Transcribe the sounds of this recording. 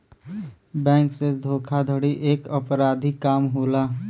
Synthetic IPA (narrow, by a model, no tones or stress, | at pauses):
bɛ̃ːŋksed̪ʱoːkʰad̪ʱəɽiʔeːkəpɾaːd̪ʱikaːmɦoːlaː